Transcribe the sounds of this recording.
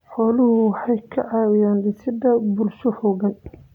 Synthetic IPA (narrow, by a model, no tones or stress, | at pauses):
ħɔːlʊhʊwɑħɑjkʰɐʕɑːwɪjaːnlɪsɪd̪ɐbʊrʃʊhɔɣɐn